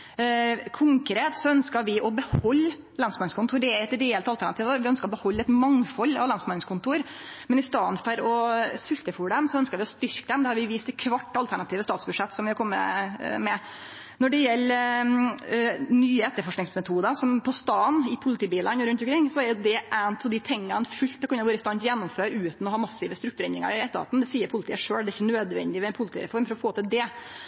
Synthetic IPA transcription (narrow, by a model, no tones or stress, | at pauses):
kʰʊŋkɾeːt̪sɔœnskəɾʋɪʔɔbəhɔlː | lɑnsmɑnskʊnt̪ʰuːɾɖɛæɾɛt̪d̪eːɛlt̪ɑlt̪ʰæɳɑt̪iːʋʋɪœnskəɾɔbəhɔlːɛt̪mɑŋfɔlːɑ̰ʋlɑnsmɑnɪŋskʰʊnt̪uːɾ | mɛnɪst̪ɑːnfɔɾɔsʏlt̪əfʊɖɛmsɔœnskəɾʋɪɔst̪ʏɾkəd̪ɛmd̪ɛhɑɾʋɪʋiːst̪ɛt̪kʰʋɑʈːɑlt̪ʰæɳɑt̪iːʋəst̪ɑːt̪sbʉʂɛt̪ːsɔmʋɪhɑɾkʰɔmːə̰mɛ | nɔɖɛjɛlː | nyːəɛt̪ːəɾfɔʂknɪŋsmɛt̪ʰuːd̪əsɔmpʰɔst̪ɑːnɪpʰʊlɪt̪ʰiːbiːlənɾʉnt̪ɔmkɾɪŋːsɔɛɾjʊd̪ɛʔænt̪ɔd̪ɪt̪ʰɛŋːənfʉlt̪̚ɛkɑnːəɾʋɑːɾəɪst̪ɑːnt̪jɛnːɔmføːɾʉːt̪nɔhɑːmɑsːɪʋəst̪ɾʉkt̪ʉɾɛnɾɪŋə̰ɾɪɛt̪ːəɾɑ̰ːt̪n̩d̪ɛsiːəɾpʰʊlɪt̪ʰḭːəʂøːld̪ɛɪçːənøːd̪ʋɛ̰nd̪ɪʋɛɛnpʰʊlt̪iːɾɛ̰fɔɾmfɔɾɔfoːt̪ʰɪld̪ɛ